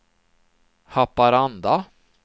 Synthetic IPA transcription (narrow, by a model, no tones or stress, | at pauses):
hapːaɾand̪a